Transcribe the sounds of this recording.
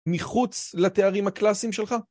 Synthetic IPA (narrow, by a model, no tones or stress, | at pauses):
miχut͡slat̪eaʁimhaklasimʃe̞lχa